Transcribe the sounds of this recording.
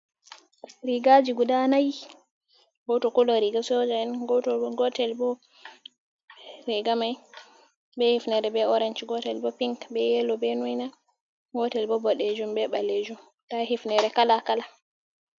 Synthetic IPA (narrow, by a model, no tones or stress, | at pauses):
ɾiɡad͡ʒiɡudanaj | ɡɔtɔkɔlɔɾiɡasɔd͡ʒaɛnɡɔtɔɡɔtɛlbɔ | ɾɛɡamaj | bɛhifnɛɾɛbɛɔɾɛnt͡ʃɡɔtɛlbɔpiŋkbɛjɛlɔbɛnujna | ɡɔtɛlbɔbɔɗɛd͡ʒumbɛbaled͡ʒum | tahifnɛɾɛkalakala